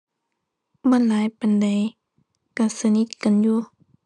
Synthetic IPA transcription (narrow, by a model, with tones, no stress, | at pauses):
bɔː˧˥˨nlaː˨˦jpa˨nda˨j | ka˧˩sa˧ni˧˦t̪̚ka˨njuː˧˦